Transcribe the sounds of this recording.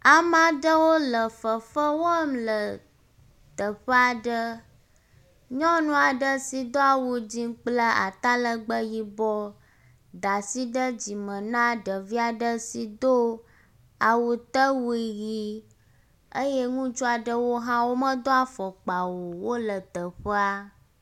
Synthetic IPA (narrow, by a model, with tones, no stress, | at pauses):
a˨mã˨ɖə˦wo˦lə˨fə˨fə˦wo˦mlə˨ | t̪ə˨ɸə˦a˨ɖə˦ | ɲɔ̃˦nũ˦a˨ɖə˦si˨d̪o˦a˨wu˨d͡ʑĩ˦k͡plə˦a̰˨t̪a˦lə˦ɡ͡bə˦ji˦bɔ˦ | d̪a˨si˦ɖə˦d͡ʑi˨mə̃˨nã˦ɖə˨vi˦a˨ɖə˦si˨d̪o˦ | a˨wu˨t̪ə˦wu˦i˦ji˦ | ə˦jɛ˦ŋũ˦t͡ʃo˦a˨ɖə˦wo˦ɦã˦wo˦mə̃˦d̪o˦a˨fɔ˨k͡pa˨wo˨wo˦lə˨t̪ə˨ɸə˦a˦